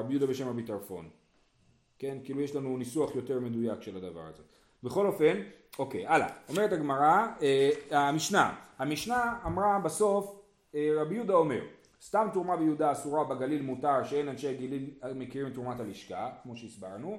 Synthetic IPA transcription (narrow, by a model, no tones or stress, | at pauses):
abijud̪abeʃe̞mabitaʁfo̞̰n | ke̞nkiiːlujeʃlanunisuaχjo̞te̞ʁme̞d̪ujakʃe̞lad̪ava̰ʁa̰ze̞̰ | beχo̞lo̞fe̞no̞kḛjala̰o̞meetaɡmaʁaeamiʃna̰hamiʃnaːmʁabaso̞f | eʁabijud̪ao̞me̞̰ʁ | st̪amtuʁmabejud̪aːsuʁabeɡalilmutaʁʃeenanʃeɡililmekiʁimt̪uʁmataliʃkakmo̞ʃe̞isbaʁnu